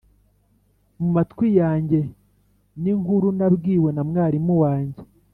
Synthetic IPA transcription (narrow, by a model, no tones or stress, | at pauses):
mumatkwijaːɲɟe̞ | niŋhuɾunabɡiːwe̞namŋaːɾimuwaːɲɟe̞